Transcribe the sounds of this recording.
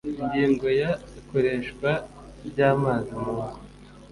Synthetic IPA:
iɲɟiːŋɡo̞jaiko̞ɾe̞ːʃkwa | bɟaːmazimuaːn

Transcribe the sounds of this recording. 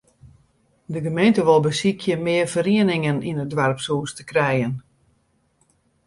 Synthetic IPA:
dəɡəmejntəʋɔlˠbəsikʰjəmɪərvəɾiənɪŋəninədʋarpsuːstəkrɛjən

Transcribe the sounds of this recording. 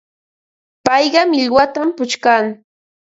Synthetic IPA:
pɑjɢɑmɪʎɢwat̪ampʊt͡ʃkaŋ

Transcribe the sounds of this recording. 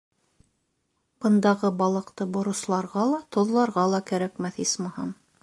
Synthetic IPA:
b̥ɤ̆nd̪ɑʁɤbɑlˠɤ̆qt̪ɤbŏɾŏslˠɑɾʁɑlˠɑt̪ŏðlˠɑɾʁɑlˠɑkæɾækmæθismɑhɑm

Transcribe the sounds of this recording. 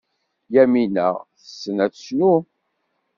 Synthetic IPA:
jæminə̰ʁθə̥sːənæt͡sːə̥snu

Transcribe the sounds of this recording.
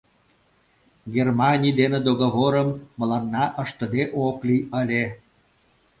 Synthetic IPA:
ɡʲermɑnʲijd̪enĕd̪oɣoβoɾəmːə̆lɑnːɑʔə̆ʃt̪ə̆d̪eʔoklijəlʲe

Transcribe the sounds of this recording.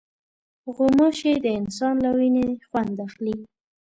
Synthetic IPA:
ɣʊmoʃed̪əɪnsɑnlawinexwand̪axli

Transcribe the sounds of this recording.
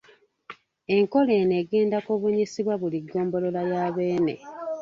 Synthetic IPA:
e̞ŋko̞leːne̞ːɡeːndakoβuɲisiβwaβuliɡːo̞ːmbo̞lo̞lajaːβe̞ːne̞̰

